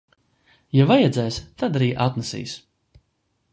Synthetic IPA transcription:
javajɛd̪zɛːst̪ad̪aɾiːʔat̪nɛsḭːs

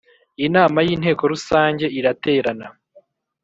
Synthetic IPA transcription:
inaːmajiːn̥he̞ːko̞ɾusaːɲɟe̞iɾate̞ːɾana

